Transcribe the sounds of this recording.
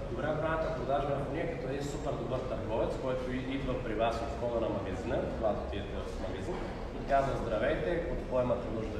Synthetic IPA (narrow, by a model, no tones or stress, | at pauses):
d̪obɾak̪ɾat̪at̪od̪aʒɛmɛvniɛkɐt̪ɔɛd̪insupɛɾd̪ubəɾt̪ɐɾɡɔvɛt̪skɔjt̪oid̪vɐpɾivasot̪skɔɡanɐmɐɡɐzinəd̪vat̪ot̪iɛt̪ɛsmɐɡɐzin | t̪azɐzd̪ɾɐvɛjt̪ɛot̪pɔɛmat̪ɛnuʒd̪ɐ